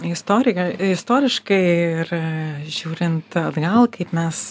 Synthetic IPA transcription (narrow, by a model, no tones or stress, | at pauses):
ɪst̪oːɾʲɪjɐɪst̪oːɾʲɪʃkɐɪɪrʒʲuːɾʲɪnt̪ɐd̪ɡɐlˠkɐɪpmʲɛs